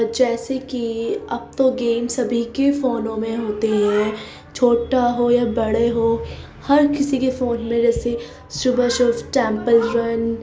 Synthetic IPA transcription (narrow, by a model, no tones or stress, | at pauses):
d͡ʒɛːsekiɐb̚t̪oɡeːmsɐbʱikefoːnõmẽɦoːt̪eɦɛ̃ː | t͡ʃʰoːʈaɦojabɐɽeɦo | hɐɾkɪsikefoːnmẽd͡ʒɛːse | subəʃɔfʈɛ̃ːmpəlɾɐn